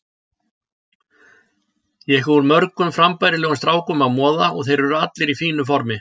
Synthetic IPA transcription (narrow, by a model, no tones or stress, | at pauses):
jɛhɔɾmœɾkʏmfɾampajɾɪlɛːɣʏmst̪ɾaːwkʏmaðmɔːðaɔɣθejɾvʏɾʏat̪lɪɾifiːnʏfɔɾmɪ